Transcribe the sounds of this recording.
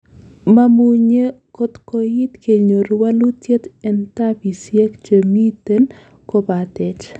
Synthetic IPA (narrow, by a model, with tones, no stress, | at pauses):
ma˦mu˦ɲe˦ | ko˦t̪ko˨ji˦t̪ke˨ɲo˨ɾwa˦lu˦tje˦t̪ɛ˨nt̪a˦pi˨sje˦kt͡ʃə˨mi˦t̪e˦n | ko˦ba˨t̪ɛ˨t͡ʃ